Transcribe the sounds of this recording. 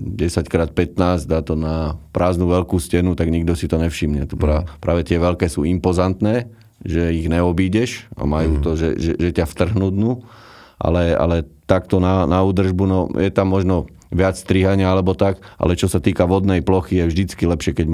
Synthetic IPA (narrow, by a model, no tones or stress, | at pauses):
ɟɛsackɾaːt̪̚pɛt̪naːzd̪aːt̪ɔnapɾaːznuːʋɛlkuːscɛnut̪aɡɲiɡd̪ɔsit̪ɔɲɛfʃimɲɛt̪ɔpɾapɾʔaːʋɛt̪ɪɛʋɛlkɛːsṵːimpɔzant̪nɛː | ʒɛiɣnɛɔbiːɟɛʃa̰majuːt̪ɔʒɛ̰ʒɛ̰ʒɛcaft̪r̩ɦnud̪nu | ʔa̰lɛa̰lɛt̪akt̪ɔnanauːd̪r̩ʒbunɔjɛt̪amːɔʒnɔ | ʋɪat͡sst̪ɾiɦaɲɪaalɛbɔt̪akʔa̰lɛt͡ʃɔsat̪iːkaʋɔd̪nɛjplɔxijɛvʒd̪it͡skilɛpʃɪɛkɛɟ